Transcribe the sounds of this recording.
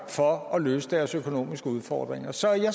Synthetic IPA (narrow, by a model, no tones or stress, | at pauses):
fɒ̽ɒ̽løːsəd̥æɐsøkʰo̝no̝̰ːmisɡ̥əuðˠfɒ̰ːd̥ʁeŋɐsɒ̽æja